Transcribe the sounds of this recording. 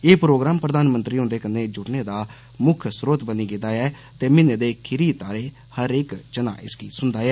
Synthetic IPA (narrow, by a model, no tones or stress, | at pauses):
eːpɾoːɡɾaːmpɾəd̪aːnmənt̪ɾiːɦʊ̃nd̪eːkənːeːd͡ʒʊʈneːd̪aː | mʊkʰsɾoːt̪bəniːɡed̪aːɛː | t̪eːmɪneːd̪eːkʰɪɾiːt̪aːɾeː | həɾɪkt͡ʃəna̰ːʔɪ̰sɡiːsʊnd̪aːɛː